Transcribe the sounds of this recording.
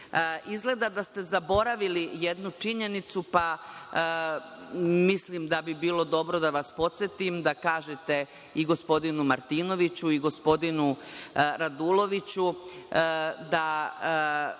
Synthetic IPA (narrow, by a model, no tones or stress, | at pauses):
izɡle̞d̪ad̪ast̪e̞zabo̞ɾaʋilijed̪nut͡ʂiɲe̞nit̪supa | mislimd̪abibiːlo̞d̪o̞bɾo̞d̪aʋaspo̞t̪set̪imd̪akaːʒet̪e̞ | iɡo̞spo̞d̪inumaɾt̪iːno̞ʋit͡ɕuiɡo̞spo̞d̪inuɾad̪ulo̞ʋit͡ɕu | d̪a